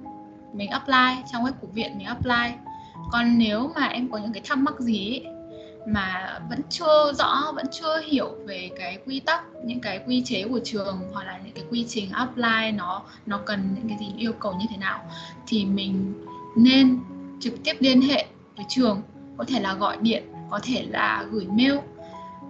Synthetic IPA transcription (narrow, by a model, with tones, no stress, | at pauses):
mï˨˩ŋ̟ʔaː˦˥p̚laː˧jt͡ɕɔ˧wŋ͡mŋʔɛ˦˥p̚ku˧˩vḭ˧˨ənmï˨˩ŋʔːp̚laː˧j | kɔ˨˩nːe˨˦wmaː˨˩ʔɛ˧mkɔ˨˦ɲɨ̰˧˥ŋkaː˨˦jt̪ʰaː˦˥p̚ma˦˥k̚zi˨˦˧ | maː˨˩və̰˧˥nt͡ɕɨ˧əzɔ̰˧˥və̰˧˥nt͡ɕɨ˧əhi˧˩˨əwve˨˩kaː˨˦jkwi˧t̪ə˦˥k̚ɲɨ̰˧˥ŋkaː˨˦jkwi˧t͡ɕe˨˦ku˧˩ət͡ɕɨ˨˩əŋhwɔ˨˩k̚laː˨˩ɲɨ̰˧˥ŋkaː˨˦jkwi˧t͡ɕï˨˩ŋ̟ʔa˦˥p̚laː˧jnɔ˨˦ | nɔ˨˦kə˨˩nɲɨ̰˧˥ŋkaː˨˦jzi˨˩ʔi˧əwkə˨˩wɲɨ˧t̪ʰe˨˦naː˨˩wt̪ʰi˨˩mï˨˩ŋ̟ne˧nt͡ɕɨ˨˩k̚t̪i˦˥əp̚li˧ənɦḛ˧˨ | və˧˨˩t͡ɕɨ˨˩əŋ | kɔ˨˦t̪ʰe˧˩laː˨˩ɣɔ̰˧˨jɗḭ˧˨ənkɔ˨˦t̪ʰe˧˩la̰ː˨˩ɣɨ˧˩jme˧w